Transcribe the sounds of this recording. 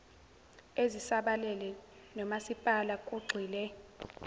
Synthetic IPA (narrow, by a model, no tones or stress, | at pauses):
ezisaɓalɛlɛ | nɔmasipʼalakʼuɡ͡ǀʱiːlɛ